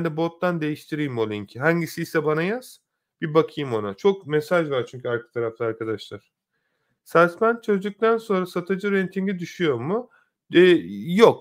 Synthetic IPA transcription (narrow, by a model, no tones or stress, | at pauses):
bnd̪ɛbo̞t̪ːand̪e̞jiʃt̪ʰiɾijimolʲˠiɲcʰiɦaɲɟisijsɛbanajaz̥ | b̥ibakʰɯjɯmo̞nat͡ʃʰo̞kmɛsaʒvaɾt͡ʃʰyɲʲcʰyaɾkʰḁt̪ʰaɾaft̪ˠaaɾkʰad̪aʃlˠaɾ̥ | sasmænt͡ʃʰø̞zd͡ʒ̪yk̚t̪ʰænso̞nɾasat̪ʰɯd͡ʒɯɾɛnt̪ʰiɲɡid̪yʃyjo̞ɾmʊ | ɛjok